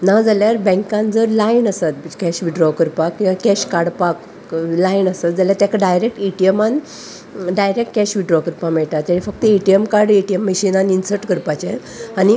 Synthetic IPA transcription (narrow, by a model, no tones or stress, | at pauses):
nad͡zaljaɾbɛ̃ŋkãnd͡zəɾlainəsat̪̚kɛɕʋiɖɾɔkəɾpakkĩʋãkɛɕkaɽpak | lainəsat̪̚d͡zaljat̪jakaɖajɾek̚ʈiʈieman | ɖajɾekʈkɛɕʋiɖɾɔkəɾpãmɛɭʈ̪at̪ːjaɽĩfək̚t̪əiʈijemkaɾɽiʈijemːəɕinãninsəɾʈkəɾpat͡ɕe | ani